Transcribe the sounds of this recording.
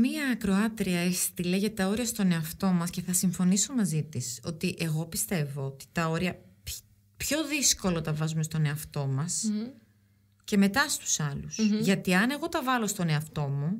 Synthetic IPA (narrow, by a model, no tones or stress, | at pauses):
miɐːkɾo̞ɐt̪ɾiɐest̪ileʝɐt̪ɐo̞ɾiɐst̪o̞ne̞ɐft̪o̞mɐsce̞θɐsiɱfo̞niso̞mɐzit̪iso̞t̪iʔe̞ɣo̞pist̪e̞voot̪i̥t̪ɐo̞ɾiɐp | pço̞ðisko̞lot̪ɐvɐzumest̪o̞ne̞ɐft̪o̞mɐs | ce̞me̞t̪ɐst̪u̥sɐlusʝɐt̪iɐne̞ɣo̞t̪ɐvɐlo̞st̪o̞ne̞ɐft̪o̞mu